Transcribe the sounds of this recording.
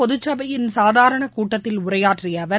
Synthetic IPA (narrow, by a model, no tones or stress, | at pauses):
ɔðʊt͡ʃːɐbɐjɪnsaːðaːɾɐɳɐkuːʈːɐt̪ːɪlʊrɐjaːʈrɪjɐʋɐ